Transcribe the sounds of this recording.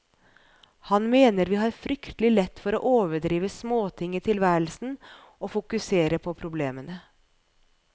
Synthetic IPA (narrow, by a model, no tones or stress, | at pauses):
hɑnmeːnəɾʋiːhɑːɾfɾʏkt̪əlɪlɛt̪ːfɔɾo̰ːʔoːʋəɖɾiːʋəsmoːt̪ʰɪŋːit̪ʰɪlʋæːɾəl̩sn̩ | oːfʊkʉseːɾəpʰɔpʰɾʊbleːmənə